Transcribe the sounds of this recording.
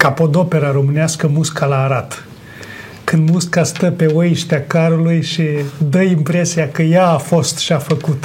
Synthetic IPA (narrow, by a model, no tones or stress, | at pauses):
kapo̞d̪o̞pe̞ɾaɾo̞mɨneaskəmuskalaːɾat̪ | kɨnd̪muskast̪əpe̞oiʃt̪eakaɾulujʃid̪əimpɾesiakəjaːfo̞st̪ʃiafəkut̪